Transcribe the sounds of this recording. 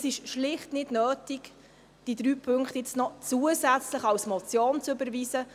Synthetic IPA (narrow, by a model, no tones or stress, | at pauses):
sɪʃʃlɪχtnɪdnœːtɪk | d̥id̥ɾyːpʰʏŋktɪt͡stnɔt͡suəsɛt͡sləχɑwsmɔt͡sjoːnt͡sʏbəɾviːsə